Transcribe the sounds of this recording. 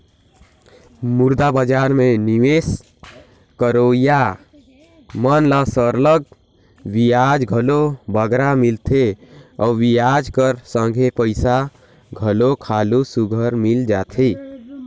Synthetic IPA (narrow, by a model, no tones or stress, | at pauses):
mʊɾd̪abəd͡ʒaːɾmẽniʋeːs | kəɾoːja | mənlasəɾləɡ̚ | wijaːd͡ʒɡʱəlobəɡɾamɪlt̪ʰeɔːʋijaːd͡ʒkəɾsə̃ŋɡʱepəɪsa | ɡʱəlokʰaːlusʊɡʱəɾmɪld͡ʒaːt̪ʰeː